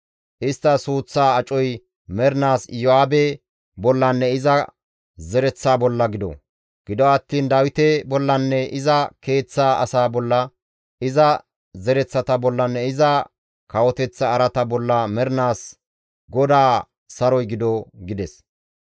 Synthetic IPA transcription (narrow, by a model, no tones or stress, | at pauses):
ʔɪst̪ːɐsuːt͡sːaːɐt͡ʃʼɔj | mɛɾnaːsjɔaːbɛ | bɔlːɐnːɛɪzɐ | zɛɾɛt͡sːaːbɔlːɐɡɪd̪ɔ̰ | ɡ̥ɪd̪ɔɐt̪ːiːnd̪aːwɪt̪ɛbɔlːɐnːɛʔɪzɐke̞ːt͡sːaːʔɐ̰saːbɔlːɐ | ʔɪzɐ | zɛɾɛt͡sːɐt̪ɐbɔlːɐnːɛɪzɐ | kɐwɔt̪ɛt͡sːɐːɾɐt̪ɐbɔlːɐmɛɾnaːs | ɡɔd̪aː | ɐɾɔjɡɪd̪ɔɡɪd̪ɛs